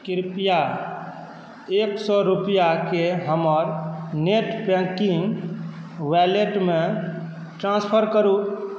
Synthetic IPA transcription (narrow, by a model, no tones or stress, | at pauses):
kiɾpija | eksɔɾupijakeɦəməɾneʈpɛ̃ŋkiŋɡ | wɛleʈmẽ | ʈɾãnspʰəɾkəɾu